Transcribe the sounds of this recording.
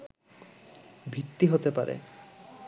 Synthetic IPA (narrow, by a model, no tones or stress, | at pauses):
bʱit̪ːiɦot̪epa̰ɾḛ